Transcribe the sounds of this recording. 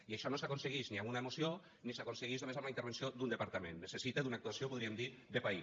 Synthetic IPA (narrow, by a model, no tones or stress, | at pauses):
iaʃɔnosakonseɣ̞iʃniamunaemusio | nisakonseɣiʒðomezamlaint̪əɾβ̞ensiod̪und̪əpaɾt̪əmḛ̃nːesesit̪eðunak̚t̪uasiopuð̞ɾiemd̪id̪epai